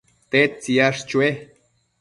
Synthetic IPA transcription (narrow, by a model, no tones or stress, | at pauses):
t̪et͡siaʂt͡ʃue